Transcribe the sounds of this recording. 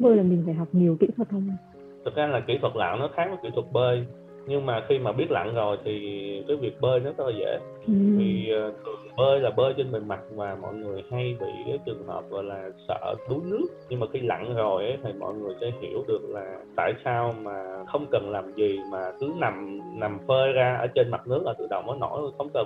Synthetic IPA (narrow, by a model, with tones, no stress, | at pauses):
ɓəː˧jlaː˨˩mi˨˩ŋfa̰ː˧˨jɦa˨˩wk͡p̚ɲi˨˩əwkḭ˧˥t̪ʰwə˨˩t̚ʰə˧wŋ͡m | t̪ʰə˨˩t̚zaː˧laː˨˩ki˧˥t̪ʰwə˨˩t̚la̰ː˧˨wnɔ˨˦t̪ʰaː˨˦ŋkɔ˨˦kḭ˧˩t̪ʰwə˨˩t̚ɓəː˧j | ɲɨ˧ŋmaː˨˩xi˧maː˨˩ɓi˦˥ət̚la̰˧˨nzo˨˩jt̪ʰi˨˩kaː˨˦jvi˨˩ək̚ɓəː˧jnɔ˨˦zɔ˦˥t̚laː˨˩zḛ˧˥˨ | vi˨˩˨t̪ʰɨ˨˩ə | ɓəː˧jlaː˨˩ɓəː˧jt͡ɕə˧nɓə˨˩nma˨˩t̚vaː˨˩mɔ̰˧˨jŋɨ˨˩əjha˧jɓḭ˧˨kaː˨˦jt͡ɕɨ˨˩əŋhəː˨˩p̚ɣɔ̰˧˨jlaː˨˩sə̰ː˧˨ɗu˨˦nɨ˦˥ək̚ɲɨ˧ŋmaː˨˩xi˧la̰˧˨nzo˨˩jʔə˨˦jt̪ʰi˨˩mɔ̰˧˨jŋɨ˨˩əjsɛ̰ː˧˥hi˧˩əwɗɨ˨˩ək̚laː˨˩t̪a̰ː˧˨jsaː˧wmaː˨˩xə˧wŋ͡mkə˨˩nlaː˨˩mzi˨˩maː˨˩kɨ˨˦na˨˩mna˨˩mfəː˧jzaː˧ʔəː˧˩˦t͡ɕe˧nma˨˩t̚nɨ˦˥ək̚ʔəː˧˩t̪ɨ̰˧˨ɗə̰˧˨wŋ͡mʔəː˨˦jnɔ̰˧˩˧xə˧wŋ͡mkə˨˩n